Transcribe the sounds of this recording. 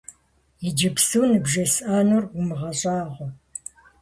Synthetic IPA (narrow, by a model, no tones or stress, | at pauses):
id͡ʒɪpsuːnɨbʒɐsʔaːnurʊmɨʁɐɕʼɑːʁʷɔ